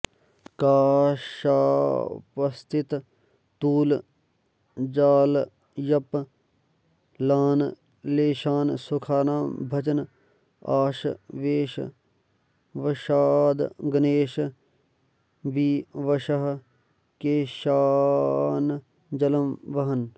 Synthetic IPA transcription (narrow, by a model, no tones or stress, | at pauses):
kaːʃa̰ːpɐst̪ɪt̪ | t̪uːl | d͡ʒaːl | jɐp | laːn | leːʃaːnsʊkʰaːnaːmbʱɐd͡ʒən | a̰ːʃʋeːʃ | ʋɐʃaːd̪ɡɐneːʃ | biːʋɐʃɐɦ | keːʃaː | n | d͡ʒɐləmʋɐɦɐn